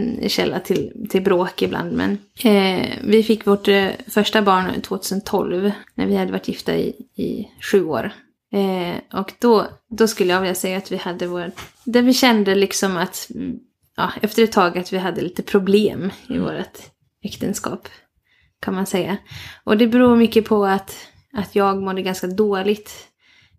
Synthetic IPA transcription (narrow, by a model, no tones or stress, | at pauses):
nɕɛlːat̪ʰɪlt̪ʰɪlbɾoːkɪblʔa̰nd̪mɛ̰n | vɪfɪkːvoʈfœʂʈabɑːɳt̪ʰvoːt̪ʰʉ̟ːsənt̪ʰːɔlvnæ̰ɾvɪhad̪ːəvaʈʰːjɪft̪a̰ɪ̰ɪ̰ɧʉ̟ːo̰ːɾ | ʔɔkd̪̥ɔd̪ɔskɵlːəjavɪljːasɛjːaːt̪vɪhad̪ːəvoːɾad̪æɾvɪɕɛnd̪əlɪksɔmat̪ | jɑ̰ːɛft̪əɾɛt̪ʰːɑːɡat̪vɪɦad̪ːəliːt̪əpʰɾʊbleːmɪ̰vo̰ːɾa̰t̪ | ɛkt̪ənskɑ̰ːp | kʰanmansɛjːaʔɔd̪ɛbɛɾuːɾmʏkːəpʰɔat̪ | at̪ʰjɑːɡmɔd̪ːəɡanskad̪oːlɪɡt̪